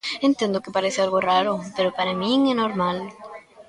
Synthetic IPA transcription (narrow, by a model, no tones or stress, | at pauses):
ent̪je̞nd̪oke̞paɾeθealɣoraɾope̞ɾopaɾamĩŋenoɾmal